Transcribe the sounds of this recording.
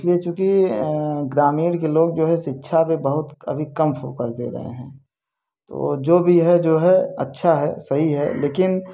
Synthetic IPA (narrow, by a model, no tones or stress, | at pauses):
ɪsliet͡ʃũːki | ɡɾaːmiːɾkeloːɡ̚d͡ʒoːɦɛ̃ʃɪtːʃʰapebəɦʊt̪ɐ̰bʱikɐmfoːkəɾd̪ḛɾɐ̰ɦḛɦɛ̃ː | t̪o̰ːd͡ʒoːbʱiɦɛd͡ʒoːɦɛɐ̰tːʃʰaɦɛ̰sɐɦiɦɛ̰leːkɪn